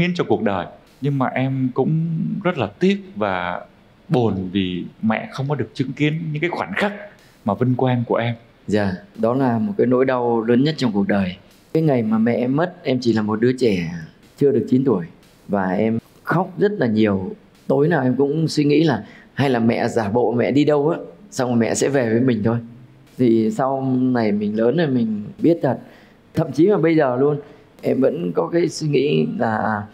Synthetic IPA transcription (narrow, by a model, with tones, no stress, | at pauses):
ŋḭ˧˥ənt͡ɕɔ˧ku˨˩ək̚ɗəː˨˩j | ɲɨ˧ŋmaː˨˩ʔɛ˧mkʊ̰˧˥ŋ͡mzə˦˥t̚laː˨˩t̪i˦˥ət̚vaː˨˩ | ɓo˨˩nvi˨˩mɛ̰˧˨xə˧wŋ͡mkɔ˨˦ɗɨ˨˩ək̚t͡ɕɨ˨˦ŋki˨˦ənɲɨ̰˧˥ŋkaː˨˦jxwaː˧˩nxaː˦˥k̚ | maː˨˩və˧nkwɛ˧nku˧˩əʔɛ˧m | zaː˨˩ɗɔ˨˦laː˨˩mo˨˩t̚kaː˨˦jno̰˧˥jɗa˧wləː˨˦nɲə˦˥t̚t͡ɕɔ˧wŋ͡mku˨˩ək̚ɗəː˨˩j | kaː˨˦jŋa˨˩jmaː˨˩mɛ̰˧˨ʔɛ˧mːə˦˥t̚ʔɛ˧mt͡ɕi˧˩laː˨˩mo˨˩t̚ɗɨ˨˦ət͡ɕɛ˧˩ | t͡ɕɨ˧əɗɨ˨˩ək̚t͡ɕi˨˦nt̪u˧˩əj | vaː˨˩ʔɛ˧m | xa˦˥wk͡p̚zə˦˥t̚laː˨˩ɲi˨˩əw | t̪o˨˦jnaː˨˩wʔɛ˧mkʊ̰˧˥ŋ͡mswi˧ŋḭ˧˥laː˨˩ha˧jlaː˨˩mɛ̰˧˨zaː˧˩ɓo̰˧˨mɛ̰˧˨ɗi˧ɗə˧wʔaː˨˦˥sa˧wŋa˨˩mɛ̰˧˨sɛ̰˧˥ve˨˩vəː˨˦jmï˨˩ŋ̟t̪ʰo˧j | t̪ʰi˨˩sa˧wna˨˩jmï˨˩ŋ̟ləː˨˦nːo˨˧˩jmï˨˩ŋ̟ɓi˦˥ət̚t̪ʰə˨˩t̚ | t̪ʰə̰˧˨mt͡ɕi˨˦laː˨˩ɓə˧jzəː˨˩lu˧ən | ʔɛ˧mvə̰˧˥nkɔ˨˦kaː˨˦jswi˧ŋḭ˧˥laː˨˩